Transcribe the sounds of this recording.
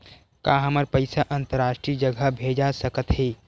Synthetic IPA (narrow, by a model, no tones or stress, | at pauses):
kaːɦɐməɾpəɪsaʔə̃nt̪əɾaːʃʈɾid͡ʒəɡʱəbʱeːd͡ʒasɐkət̪ɦeː